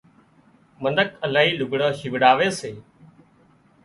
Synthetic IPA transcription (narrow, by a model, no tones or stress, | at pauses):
mənəkəlaːɦiːlʊɡɽãːʃɪʋɽaːʋeːseː